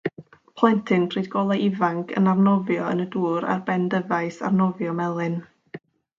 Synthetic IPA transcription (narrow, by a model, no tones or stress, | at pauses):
pʰl̥ˠɔjntʰɪŋpʰriːdɡɔlˠaɪvaŋkʰə̰narnɔvjɔə̰nəduːɾa̰rbɛndəvaɨsa̰rnɔvjɔmɛlˠɨn